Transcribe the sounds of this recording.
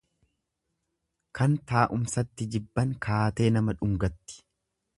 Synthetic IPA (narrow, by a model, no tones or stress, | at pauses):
kɐnt̪aːʔʊmsɐt̪ːɪd͡ʒɪbːɐŋkʰaːt̪e̞ːnɐmɐᶑʊŋɡɐt̪ːɪ̥